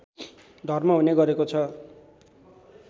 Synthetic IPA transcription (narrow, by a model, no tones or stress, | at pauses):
d̪ʱʌrmʌɦuneɡʌɾekot͡sʰʌ